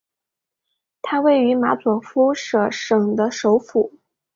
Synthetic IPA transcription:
t̪ʰa˥we˥˩ɪy˧˥ma˧˥t͡swɔ˨˩fu˥ʂɤ˥˩ʂɤ˨˩ŋd̪ə˦ʂo˧˥ʊfu˨˩˦

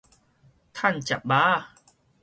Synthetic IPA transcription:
t̪ʰa˥˩˨nt͡ɕa˨˩p̚baː˦˥

